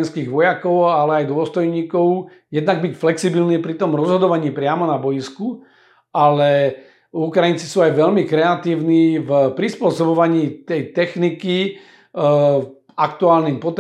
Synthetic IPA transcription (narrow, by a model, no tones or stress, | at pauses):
nskiːɣʋɔjakɔʊalɛajd̪ʊɔst̪ɔjɲiːkɔʊ | jɛd̪naɡ̚bicflɛksibilniːpɾit̪ɔmɾɔzɦɔd̪ɔʋaɲiːpɾɪamɔnabɔjisku | alɛ | ukɾajint͡si̥suːajʋɛʎmikɾɛat̪iːʊniːvpɾispʊɔsɔbɔʋaɲiːt̪ɛjt̪ɛxniki | akt̪uaːlniːmpɔt̪